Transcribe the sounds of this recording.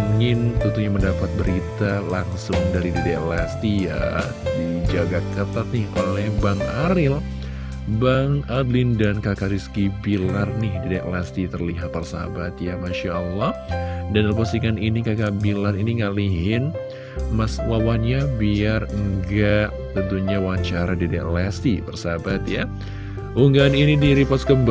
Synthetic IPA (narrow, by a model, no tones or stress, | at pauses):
ŋɪnt̪unt̪uɲaməndapat̪̚bəɾit̪alaŋsʊŋdaɾididaʔlast̪ija̰ | did͡ʒaɡakət̪at̪̚nɪhʔolɛhbaŋaɾɪl | baŋadlɪndankakaɾiskibilarnɪhdidaʔlast̪it̪ərliɦat̪̚pərsa̰bat̪̚jamaʃaəlːɑhdanəlp̬asiŋaninikakabilariniŋaliɦɪn | maswawanɲabiarəŋɡaʔ | t̪ənt̪uɲawat͡ʃaɾadidaʔlɛst̪ipərsabat̪ja̰ | ʔuŋɡaːninidiɾipasɡəmb